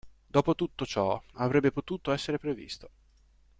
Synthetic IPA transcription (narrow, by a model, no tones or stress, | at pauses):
d̪ɔːpot̪ut̪ːot͡ʃɔavɾɛbːepot̪uːt̪oɛsːeɾepɾevḭst̪o